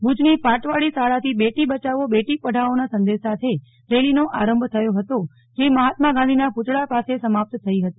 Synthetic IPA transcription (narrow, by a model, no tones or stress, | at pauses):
bʊd͡ʒnifaʈʋaɭisaɭat̪ʰibeʈibət͡ʃaʋobeʈipəɽʱaonasə̃nd̪esat̪ʰe | ɾelinoʔaɾəmbʱt̪ʰəjoɦət̪o | d͡ʒeməɦat̪maɡãd̪inapʊt̪ɭapasesəmap̚t̪t̪ʰəiɦət̪i̥